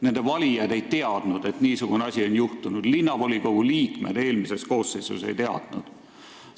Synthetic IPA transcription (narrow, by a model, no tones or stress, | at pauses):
ne̞nd̪̥e̞vɑlʲijɑd̪̥e̞jt̪e̞ɑd̪̥nud̪̥e̞t̪niːsuɡ̥uneɑsʲionʲjuht̪unud̪̥linːɑvolʲikoɡ̥uliːkme̞̰d̪̥e̞ːlmise̞sko̞ːsːejsṵse̞jt̪e̞ɑ̰d̪̥nṵd̪̥